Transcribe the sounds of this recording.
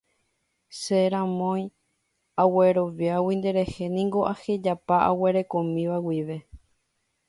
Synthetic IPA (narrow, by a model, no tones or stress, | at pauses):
seɾãmõj̃ | awe̞ɾo̞ʋjawind̪e̞ɾe̞he̞nĩŋɡo̞ʔahe̞d͡ʒapaʔa̰we̞ɾe̞kõ̞mĩʋawiʋe̞